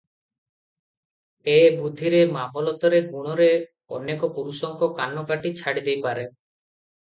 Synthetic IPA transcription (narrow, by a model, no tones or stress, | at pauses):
ebud̪ʱiɾemamɔlɔt̪ɔɾeɡuɽ̃ɔɾe | ɔ̰nekɔpuɾusɔŋkɔkanɔkaʈit͡ʃʰaɽid̪ejpaɾe